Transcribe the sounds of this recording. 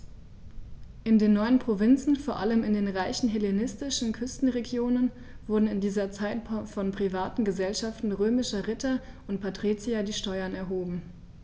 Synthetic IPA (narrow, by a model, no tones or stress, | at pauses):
ʔɪndeːnːɔʏənpʁ̥ovɪnt͡sn̩foːɐʔaləmɪndeːnʁaɪçn̩ɦelenɪstɪʃn̩kʰʏstn̩ʁeɡjoːnən | v̥ʊɐdn̩ɪndiːzɐt͡saɪtfɔnpʁ̥ivaːtn̩ɡəzɛlʃaftn̩ʁøːmɪʃɐʁɪtɐʔʊnt̚pʰatʁ̥it͡siadiːʃtɔʏɐnɛɐɦoːbm̩